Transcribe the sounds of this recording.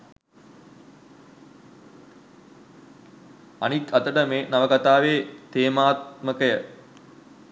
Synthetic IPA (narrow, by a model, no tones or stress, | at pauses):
a̰nikat̪əʈəmeːnaʋəkat̪aːʋeːt̪eːmaːt̪məkəjə